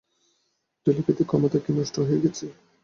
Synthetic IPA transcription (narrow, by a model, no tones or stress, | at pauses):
ʈeliket̪ikʰɔmot̪akinɔʃʈʰoɦojeɡɛt͡ɕʰe